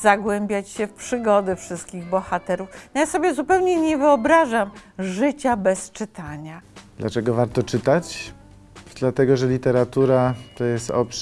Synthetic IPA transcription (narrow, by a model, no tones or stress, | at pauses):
zaɡwɛmbʲjat͡ɕɕɛfpʂɘɡɔd̪ɘfʂɘst̪̚kʲiɣbɔxat̪ɛɾufnɔjasɔbʲjɛzupɛwɲɛɲɛvɘɔbɾaʐamʐɘt͡ɕabɛst͡ʂɘt̪ʰaɲad̪̥lʔat͡ʂɛɡɔvaɾt̪ɔt͡ʂɘt̪at͡ɕ | d̪lat̪ɛɡɔʐɛlʲit̪ɛɾat̪uɾat̪ɔjɛst̪ɔpʂ